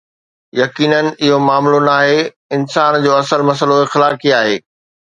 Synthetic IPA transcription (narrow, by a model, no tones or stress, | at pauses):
jɐkiːnənɪ̆ɪɦomaːmlonaːɦe | ɪnsaːnd͡ʑoːɐsəlmɐs̬əloɪxɪlaːkiaːɦeː